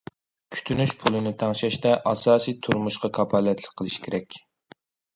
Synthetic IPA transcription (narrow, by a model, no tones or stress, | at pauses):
kʲʰy̥t̪ʰynyʃpʰulˠɨnɪt̪ʰɑŋʃɛʃt̪ɛʔɑsɑːsijt̪ʰuɾmuʃqɑkʰɑpʰɑlɛt̪ʰlɪk̚ʲqʰəlˠɨʃkʲʰeɾɛkʲ